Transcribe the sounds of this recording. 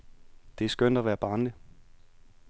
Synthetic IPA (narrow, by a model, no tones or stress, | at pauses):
d̥e̝æɐsɡ̥øn̰d̥æʋæːɐb̥ɑ̈ːnlə